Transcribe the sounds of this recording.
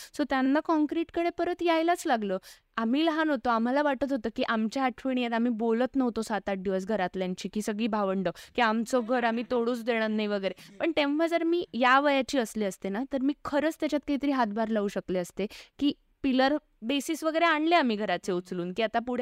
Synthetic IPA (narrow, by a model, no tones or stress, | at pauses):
sot̪janːakɔ̃ŋkɾiʈkəɽepəɾət̪jajlat͡slaɡlə | am̤iːlɦanɦot̪oam̤alaʋaʈət̪ɦot̪əːkiːʔamt͡ɕaaʈʰʋəɽ̃ijet̪am̤iːbolət̪nəʋt̪osat̪aɖiʋəsɡʱəɾat̪ljaɲt͡ɕiːkiːsəɡɭiːbʱaʋəɳɖokiːamt͡soɡʱəɾam̤it̪oɽuːt͡sd̪eɽ̃ənːajʋəɡəjɾepəɳt̪ẽmʋ̤əɾd͡zəɾmiːjaʋəjat͡ɕiːəsleəst̪enat̪əɾmiːkʰəɾət͡st̪jat͡ɕat̪̚kaɦit̪əɾiːɦat̪bʱaɾlauɕəkleəst̪ekiː | piləɾ | besisʋəɡəjɾeaɳleam̤iːɡʱəɾat͡seut͡sluːnkiːat̪apuɽ̤